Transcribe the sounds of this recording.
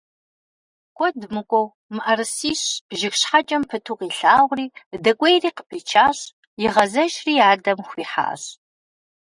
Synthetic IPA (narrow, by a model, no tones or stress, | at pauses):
kʷʼɔdmɨkʷʼɔw | mɨʔɐrɨsiːɕʒɪxɕħat͡ʃʼɐmpʰɨtʰuːqiːɬaːʁʷriːdɐkʷʼejriːqə̥pʰiːt͡ʃʰaːɕ | jɪʁɐzɐʒriːaːrdɐmxʷiːħa̰ːɕ